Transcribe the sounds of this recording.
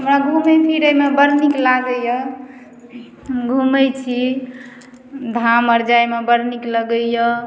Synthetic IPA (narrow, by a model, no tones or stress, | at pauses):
ɦɦəmɾaɡʱuməpʰiɾəmebəɾniklaɡəjə | ɡʱumət͡ʃʰi | d̪ʱaməɾd͡ʒajmebəɾnikləɡəjə